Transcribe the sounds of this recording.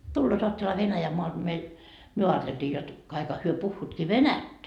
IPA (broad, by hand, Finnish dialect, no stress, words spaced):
tulːoːt oɑtːelehɑ ʋenæjæmːoɑld̥ meil myø ɑːteltiː jot kɑikhɑ hyø puhːuːtkiː ʋenætːæ